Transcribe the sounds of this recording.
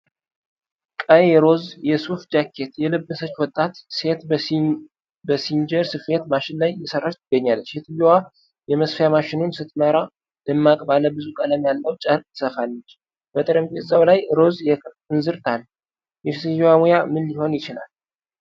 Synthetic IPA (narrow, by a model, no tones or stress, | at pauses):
kʼəjɛɾo̞zjɛsufd͡ʒakʰːe̞t̪jɛlɨbːəsət͡ʃːwɔt̪ʼːat̪se̞t̪ | bəsind͡ʒəɾsɨfe̞t̪maʃɪnlajːɛsərːat̪ʰɨɡːəɲːalːət͡ʃːɛt̪ʰɨjɛwa | jɛməsfjamaʃɪnunsɨt̪ʼməɾa | d̪̥ɨmːakʼbaləbɨzukʼələmjalːəwt͡ʃʼəɾk̪ʼʰɨ̥səfalːət͡ʃː | b̥ət̪ʼɨɾəmbezawlajɾo̞zjɛkʰɨ | ɨnzɨɾt̪ʰal | jɛsijwamujamɨnjɪho̞njɪt͡ʃɪla̰l